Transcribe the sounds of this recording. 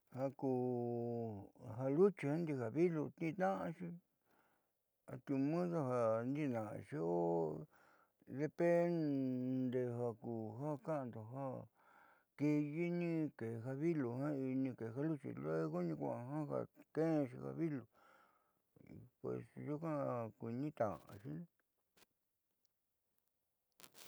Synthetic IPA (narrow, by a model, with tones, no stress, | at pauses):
ha˧kuː˨ | ɦa˧lu˦t͡ʃi˧ha˦nd̪i˧ha˨βi˦lo˧t̪ĩ˦˧t̪ã˦ʔã˧ʃi˧ | a̰˧t̪u˧mũ˦ða˧ɦa˧nd̪i˦˧nã̰˨˧˨ʃi˧o˦ | ðe˧pe˦nd̪e˧ɦa˧kuː˨ɦa˦kã˦ã˧nd̪o˨ɦa˦ | ki˧ji˦nĩ˦˧ke˨˧ɦa˧βi˦lo˨hã˦i˧nĩ˧ke˨˧ɦa˦lu˦t͡ʃḭ˧˨lo˦e˦ko˦nĩ˧kʷã̰˧˨ʔɦã˦ha̰˧kẽ˦˧ʃḭ˧ha̰˧βi˦lo˨ | pwḛ˨sʒu˦kã˦˧ki˨˧nĩ˦t̪ã˨ã̰˨˧ʃi˦n